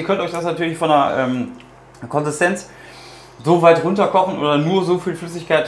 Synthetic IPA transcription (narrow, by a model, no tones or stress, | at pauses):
ɐkʰœntɔʏçd̥asnatʰyːɐlɪçfɔnɐʔɛ̰ːm | kʰɔnzɪstʰɛnt͡s | zoːvaɪtʁʊntɐkʰɔχn̩ʔoːdɐnuːɐzoːfiːlflʏsɪçkaɪt